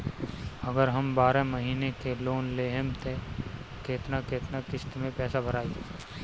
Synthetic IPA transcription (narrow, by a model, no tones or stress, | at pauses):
ɐɡəɾɦɐmbaːɾamɐɦiːnekeloːnleːɦəmt̪ʰe | keːt̪nakeːt̪nakɪst̪mẽpɛːsabʱɐɾaːi